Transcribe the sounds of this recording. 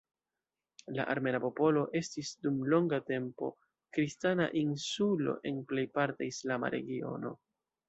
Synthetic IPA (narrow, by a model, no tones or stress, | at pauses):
la̰ʔaɾme̞napo̞po̞lo̞ʔe̞stisdumlo̞ŋɡate̞mpo̞̰ | kɾistana̰ʔinsulo̞̰ʔe̞nple̞jpaɾtaislama̰ɾe̞̰ɡio̞̰no̞̰